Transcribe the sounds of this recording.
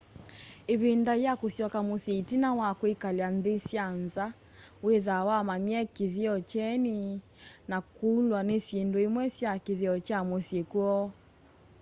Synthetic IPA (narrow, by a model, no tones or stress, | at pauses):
eβendajakosjɔkamosetinawakwekaleanðesjanza | weðawamamiɛkeðeɔt͡ʃɛni | nakulwanesjendoemwɛsjakeðeɔt͡ʃamosjekuɔ